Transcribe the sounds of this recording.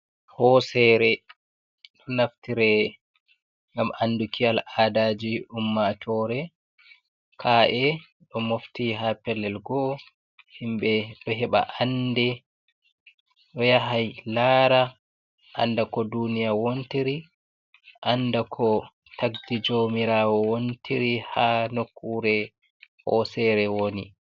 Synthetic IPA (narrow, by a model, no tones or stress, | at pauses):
hɔsɛɾɛ | ɗɔnaftiɾɛ | ŋɡamandukʰialaːdaːd͡ʒiumːatʰɔːɾɛ | kʰaʔɛ | ɗɔmoftiɦapɛlːɛlɡɔ | himɓɛɗɔɦɛɓa̰ʔandɛ | ɗɔjaɦajlaːɾa | ʔa̰ndakɔdunijawontiɾi | ʔandakʰɔ | taɡdid͡ʒomiɾaːwɔwontiɾihanokʰːuɾɛ | hɔsɛɾɛwoni